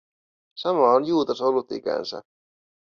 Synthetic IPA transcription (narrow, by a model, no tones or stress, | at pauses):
sɑmɑonjuːt̪ɑsolːut̪ikæ̰nsæ̰